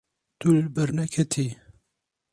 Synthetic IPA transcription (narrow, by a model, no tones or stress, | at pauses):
t̪ulbɛɾnɛkʰɛt̪ʰi